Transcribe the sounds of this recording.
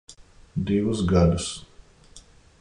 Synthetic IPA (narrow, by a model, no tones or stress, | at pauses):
d̪iʋusɡad̪us